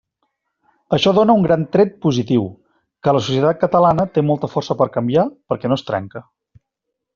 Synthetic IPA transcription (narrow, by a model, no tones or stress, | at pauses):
əʃɔðonəuŋɡɾant̪ɾɛt̪̚puzit̪iw | kələsusjət̪at̪̚kət̪əlanət̪emɔlˠt̪əfɔrsəpəɾkəmbiapəɾkɛnoəst̪ɾɛ̰ŋkə